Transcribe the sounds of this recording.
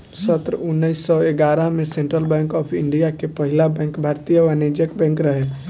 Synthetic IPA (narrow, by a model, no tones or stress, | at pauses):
sət̪ɾʊnːəɪsːɔeɡaːɾəɦmẽsẽɳʈɾəlbɛ̃ːŋkɔːpʰɪ̃ɳɖijakepəɦɪlabɛ̃ːŋkbʱaːɾt̪ijəʋaneːd͡ʒəkbɛ̃ːŋkɾəɦe